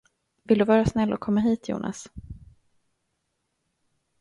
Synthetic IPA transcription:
vɪld̪ɵvɑːɾasnɛlːɔ̰kʰɔmːaɦiːt̪ʰjṵːnʔa̰s

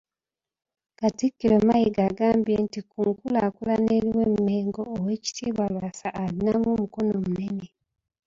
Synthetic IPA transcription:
katikːilomajiɡaɡaːmbjentikuːŋkulaːkulaneɾiwemːeːŋɡo̞ːwe̞ːci̥tʰiːβwalwaːsaːɾinamumuko̞no̞mune̞ne

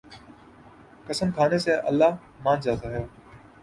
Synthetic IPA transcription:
kəsəmkʰaːneseʔə̰lːaː | mãːnd͡ʒaːt̪aːɦɛjoː

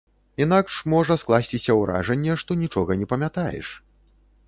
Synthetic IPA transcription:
in̪akʂmɔʐɐsklˠasʲt͡sʲisʲɐwɾʔa̰ʐɛnʲːɛʂt̪ɔnʲit͡ʂɔɣɐnʲɛpɐmʲat̪ajɛ̰ʂ

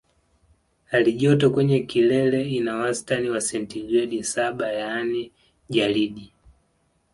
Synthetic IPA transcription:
aliʄɔtɔkwɛɲɛkilɛlɛinawastaniwasɛntiɡɾɛɗisaɓajanɛ | ʄaliɗi

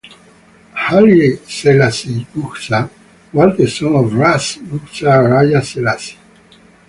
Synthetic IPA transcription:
haleselasiluxsa | walt̪esɔŋovɾasluksaɾajaselasi̥

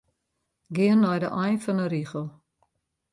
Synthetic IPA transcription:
ɡiənːɔjdəʔɔjnfɔnəɾiχəlˠ

